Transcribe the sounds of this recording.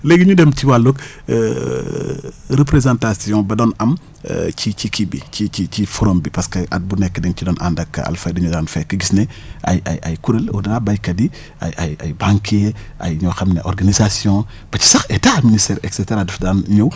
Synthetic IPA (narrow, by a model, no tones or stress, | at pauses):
leɡiɲudɛmciwalːuk | ɾəp̬ɾezãntasijɔ̃bɐdɔnɐm̰ | t͡ʃit͡ʃikʰibḭt͡ʃit͡ʃit͡ʃifɔɾombipɐskɐʔɐ̰t̚bunɛkːədɛŋcidɔːnʔa̰ndɐkːɐ̰a̰lfadiɲudaːnfɛkːɐɡisnɛʔɐ̰jɐ̰jɐ̰jkuɾɐlɔ̰dɐnabɐjkɐdi | ɐ̰jɐjɐ̰jbãŋkʰeɐ̰jɲɔxɐmneʔɔrɡanizasjɔ̃ | b̥ɐci̥sɐxɛtaministɛːɾɛksɛtɛɾadufdaːnɲɐw